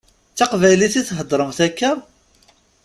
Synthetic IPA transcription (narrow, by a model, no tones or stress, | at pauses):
t͡sːɑqvæjliθiθɦəd̪ˤɾˤəmθækːəɾˤ